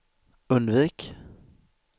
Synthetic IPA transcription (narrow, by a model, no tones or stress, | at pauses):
ɵnd̪viːk